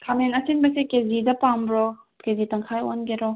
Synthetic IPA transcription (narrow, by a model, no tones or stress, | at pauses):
kʰamenɐsinbɐsekezidɐpambɾɔ | kezitɐŋkʰajonɡeɾɔ